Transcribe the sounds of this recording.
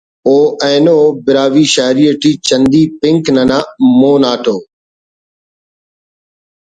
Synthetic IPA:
oːɛ̃ːnoːbɪɾaːʋiːʃaːɾiːəʈʰiːt͡ʃə̃nd̪iːpɪ̃ŋknənãːmoːnaːʈʰoː

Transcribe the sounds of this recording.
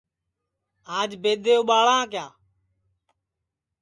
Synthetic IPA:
aːd͡ʒbeːd̪ʱeːoːɓaːɭãːk̬jaː

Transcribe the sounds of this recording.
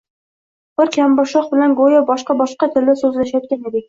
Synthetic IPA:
b̥ɪɾkʲʰambɒʃɒχbɪlanɡojabɒʃqɑbɒʃqɑt̪ʰɪlɪsɵzlaʃjɒt̪̚kʲaned̪ɪ

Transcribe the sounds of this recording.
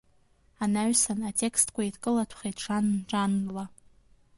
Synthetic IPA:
anaɥsanatʼe̞kʰstʰkʷaitkʼɨlatʷʰχejtʰʂanʈ͡ʂʼanla

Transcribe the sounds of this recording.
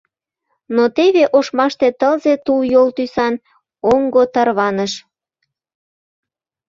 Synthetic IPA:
not̪eβeʔoʃmɑʃt̪et̪əlzet̪ujolt̪ysɑn | oŋɡot̪ɑrβɑnəʃ

